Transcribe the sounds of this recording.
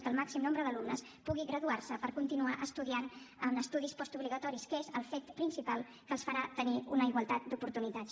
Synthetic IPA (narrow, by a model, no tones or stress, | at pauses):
kəːlˠmaksimnombɾəðəlumnəs | puɣiɣɾəðuaɾsəpəɾkunt̪inuaʔəst̪uðianənəst̪uðispɔst̪uβliɣət̪ɔɾiskəezəlˠfet̪pɾinsipalˠ | kəlˠsfəɾat̪əniunəiɣwəlˠt̪at̪̚d̪upuɾt̪unit̪as